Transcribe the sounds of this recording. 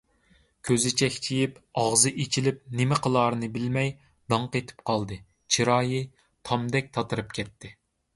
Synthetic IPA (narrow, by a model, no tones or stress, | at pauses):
kʲʰøzɪt͡ʃʰɛkʲt͡ʃʰijipɑʁzɨʔet͡ʃʰilɪp̚nɪmɪqʰəlˠɑːɾɨnɨbɪlmɛj | d̪ɑɴqet̪ʰɪ̥pqʰɑlˠd̪ɨ | t͡ʃʰiɾɑːji | t̪ʰɑmd̪ɛk̚ʲt̪ʰɑt̪ʰɨɾɨp̚kʲʰɛt̪ʰːɪ